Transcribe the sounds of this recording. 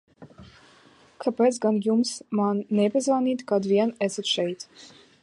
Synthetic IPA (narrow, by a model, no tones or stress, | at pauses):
kʰapɛsɡanjumsmanːɛpʲɛzvaniːt̪kad̪vʲiɛnɛsɔt̪ʃɛjt̪